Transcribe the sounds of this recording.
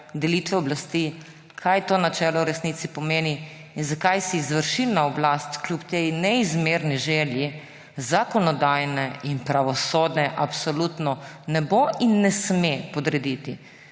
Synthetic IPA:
d̪ɛlit̪ʋɛɔblast̪i | kʰajt̪oːnat͡ʃɛːlɔuɾɛsnit̪sipɔmeːniːnzakajsiːzʋəɾʃilnaɔblast̪klʲjupt̪ejnɛizmeɾniʒɛlji | zakɔnɔd̪ajnɛinpɾaʋɔsoːd̪nɛʔapsɔlut̪nɔnɛboʔinːɛsmepɔd̪ɾɛd̪it̪i

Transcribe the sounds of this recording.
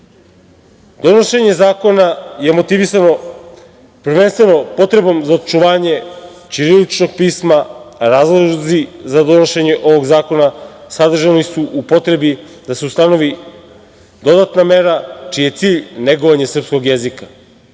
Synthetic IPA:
d̪̥o̞noʃe̞ɲe̞zaːko̞naje̞mo̞t̪iʋisano | pɾʋe̞nst̪ʋe̞no̞po̞t̪ɾe̞bo̞mzaot̪̚t͡ʃuʋaːɲe̞ | t͡ʃiɾilit͡ʃno̞ɡ̚piːsmaɾaːzlˠozizad̪o̞noʃe̞ɲe̞ʔo̞ʋo̞ɡzaːko̞nasad̪r̩ʒanisuʔupo̞t̪ɾe̞bi | d̪aseust̪ano̞ʋi | d̪o̞d̪at̪name̞ɾat͡ʃije̞t̪siːʎne̞ɡoʋaɲasr̩psko̞ɡje̞zika

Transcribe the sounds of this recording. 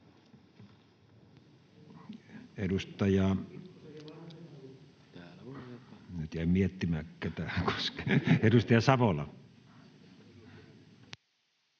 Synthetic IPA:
edust̪ɑjɑ | nyt̪jæˑimiet̪ːimækːæt̪æːko̥skɑedust̪ɑjɑsɑʋolɑ̰

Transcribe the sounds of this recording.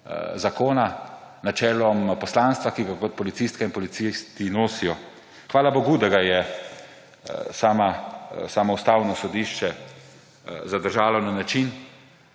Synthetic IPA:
zakoːna | nat͡ʃɛːlɔmpɔslaːnst̪ʋakiɡakɔt̪̚pɔlit̪siːst̪kainpɔlit̪sist̪inoːsijɔ | xʋaːlaboɡud̪ɛɡajɛ | saːmasaːmɔwst̪aːwnɔsɔd̪iʃt͡ʃɛ | zad̪əɾʒaːlɔnanat͡ʃin

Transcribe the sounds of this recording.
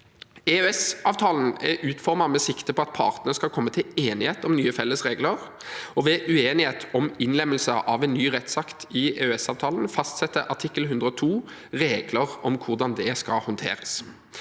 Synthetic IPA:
eøɛsɑːʋt̪ʰɑːln̩ɛ̰ʔʉːt̪fɔʁmɑmɛsɪkt̪əpʰɔɑt̪̚pʰɑ̰ʁt̪nəəskɑlkʰɔmːət̪ʰɪleːnɪheːt̪ɔmnyːəfɛlːəsʁeːɡləʁ | ɔʋɛʔʉeːnɪheːt̪ʰɔmɪnlɛmːəlsəʔɑʋɛnːyːʁɛt̪sɑkt̪ɪɛøɛsɑːʋt̪ʰɑːln̩fɑst̪sɛt̪ːəʔɑʈʰɪkːəlhʉnd̪ɾəɔt̪ʰuː | ʁeːɡləʁɔmkʰʊʁd̪ɑnd̪ɛskɑlhɔnt̪ʰḛːʁəs

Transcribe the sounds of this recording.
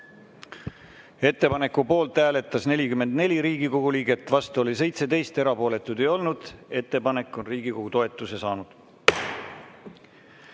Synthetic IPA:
e̞t̪ːe̞pɑne̞kːupo̞ːlt̪ˑːæːle̞t̪ːˑɑsne̞lʲikyme̞nd̪ne̞lʲiɾiːɡ̥iko̞ɡ̥uliːɡe̞t̪ːˑvɑst̪uo̞lis̬e̞jt̪se̞t̪e̞jst̪e̞ɾɑpo̞ːle̞t̪ːˑud̪e̞jo̞lnud̪̥e̞t̪ːe̞pɑne̞kːˑo̞nriːɡ̥iko̞ɡ̥ut̪o̞e̞t̪ːˑuse̞sɑːnud̪̥

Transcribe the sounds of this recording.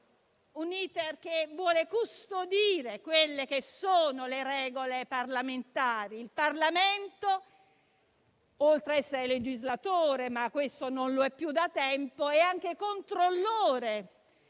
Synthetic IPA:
uniːt̪erk̟evwɔːlekust̪od̪iːɾekwelːek̟esoːnoleɾɛːɡoleparlament̪aːɾiːlparlament̪o | olt̪ɾeɛsːeɾeled͡ʒizlat̪oːɾemakːwest̪ononloɛpːjud̪at̪ɛmpoɛaŋk̟ekont̪ɾolːoːɾe

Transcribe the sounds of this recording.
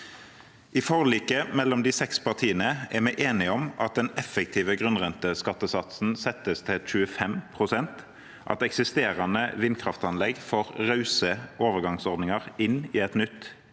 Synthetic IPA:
ʔɪfɔʁliːkəmɛlːɔmd̪iːsɛkspʰɑʁt̪ʰiːənəæmæɪʔeːnɪɔmɑt̪̚d̪ɛnɛfək̚t̪ʰiːʋəɡʁʉnʁɛnt̪əskɑt̪ːəsɑt̪sn̩sɛt̪ːəst̪ʰɪlʃʉəfɛmpʰʁʊsɛnt̪ | ʔɑ̰t̪ɛksɪst̪eːʁɑnəʋɪnkʰʁɑft̪ɑnlɛɡfɔʁʁɑʉsəʔoːʋəʁɡɑŋsɔʁd̪nɪŋəʁɪniːɛt̪nʏt̪ː

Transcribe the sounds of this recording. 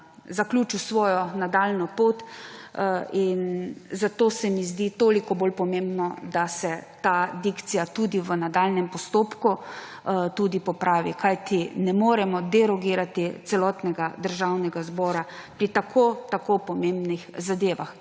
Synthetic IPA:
zaklʲuːt͡ʃusʋɔːjɔnad̪alnɔpoːt̪ | inzat̪oːsɛmizd̪it̪oːlikɔbolpɔmembnɔd̪asɛt̪ad̪ikt̪sijat̪uːd̪iʋənad̪alnɛmpɔst̪oːpku | t̪uːd̪ipɔpɾaːʋikʰajt̪inɛmoːɾɛmɔd̪ɛɾɔɡiːɾat̪it̪sɛlɔt̪nɛɡad̪əɾʒawnɛɡazbɔːɾapɾit̪akʰoːt̪akopɔmembnixzad̪eːʋa̰x

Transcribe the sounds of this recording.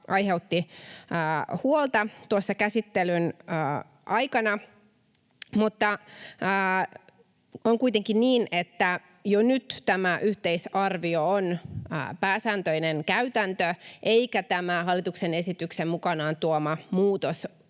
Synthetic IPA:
ʔɑjɦeut̪ːiəːhuolt̪ɑt̪uosːɑkæsit̪ːelynəː | ʔɑjkɑnɑ | mut̪ːɑː | oŋkuijt̪eŋkinniːnet̪ːæ | jonyt̪t̪ːæmæʔyht̪eisɑrʋioon̰ːpæːsæːnt̪øinenkæyt̪ænt̪øʔeikæt̪æmæhɑlːˑit̪uksene̞sit̪yksemmukɑnɑːnt̪uomɑmuːt̪os

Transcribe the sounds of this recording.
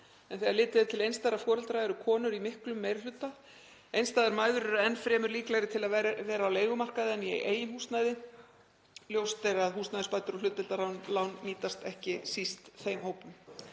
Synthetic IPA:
ɛnθɛaɾlɪːt̪ɪðɪt̪ʰɪlejnst̪aɾafɔːɾɛlt̪ɾaɛɾʏkʰɔːnʏɾimɪhklʏmːeːjɾal̥ʏt̪ːa | ejnst̪aːðaɾmaːjðʏɾʏɾaɛnːfɾɛːmʏɾliːklaɣɾɪt̪ʰɪlaðvɛːɾaːwleːjɣʏmar̥kaðɪɛnjɛ̰ɣʔeːjɪmhuːst̪najðɪ | ljowst̪ejɾaðɦuːst̪najðɪspaːjt̪ʏɾɔlʏt̪ːɛlt̪aɾhawnlawnmiːt̪ast̪ɛhcɪsist̪θejmhoːwpʏm

